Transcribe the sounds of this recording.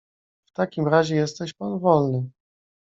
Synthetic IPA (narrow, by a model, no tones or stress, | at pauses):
ft̪akʲimɾaʑɛjɛst̪ɛɕpanvɔlnɘ